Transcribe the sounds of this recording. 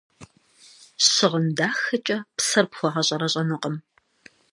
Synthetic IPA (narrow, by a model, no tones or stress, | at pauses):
ɕɪʁəmdaːxɐt͡ʃʼɐpsɐrpxʷɔʁɐɕʼɐɾɐɕʼɐnɨqʼəm